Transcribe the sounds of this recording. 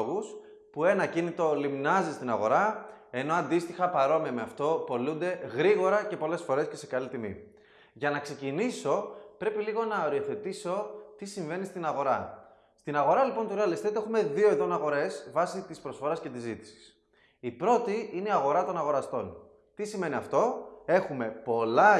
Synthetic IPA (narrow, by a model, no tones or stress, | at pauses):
ɣus | pue̞nɐcinit̪o̞limnɐzist̪inɐɣo̞̰ɾɐ | e̞no̞ɐnd̪ist̪ixɐpɐɾo̞miɐmeɐft̪o̞po̞lund̪e̞ɣɾiɣo̞ɾɐce̞po̞le̞sfo̞ɾe̞sce̞se̞kɐlit̪imḭ | ʝɐnɐkse̞ciniso̞pɾe̞piliɣo̞nɐoɾio̞θe̞t̪iso̞t̪isiɱve̞nist̪inɐɣo̞ɾɐ | st̪inɐɣo̞ɾɐlipo̞nt̪uɾeɐlist̪it̪ue̞xume̞ðio̞eðo̞nɐɣo̞ɾe̞svɐsit̪ispɾo̞sfo̞ɾɐsce̞t̪izit̪i̥si̥s | ipɾo̞t̪iineiɐɣo̞ɾɐt̪o̞nɐɣo̞ɾɐst̪o̞n | t̪isime̞niɐft̪o̞e̞xume̞po̞lɐ